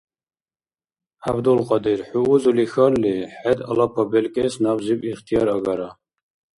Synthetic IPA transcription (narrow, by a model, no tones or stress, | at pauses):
abd̪ulqʼɑd̪iɾħuːzulixallːiħɛd̪a̰lapʰabɛlkʼɛsnabzibiχt̪ʰijɑɾaɡaɾa